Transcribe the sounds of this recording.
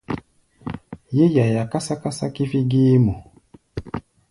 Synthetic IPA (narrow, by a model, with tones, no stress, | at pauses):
je˦ja˨ja˨ka˦sa˦ka˦sa̰˦ki˦fi˦ɡi˦mo˨